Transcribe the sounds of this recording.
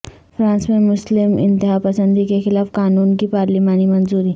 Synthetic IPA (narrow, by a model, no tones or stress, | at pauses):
fʰɾãːnsmẽmʊslɪmɪ̰̃nt̪ɪɦapɐsə̃nd̪ikexɪlaːfkaːnuːnkipaːɾlimaːnimɐnzuːɾi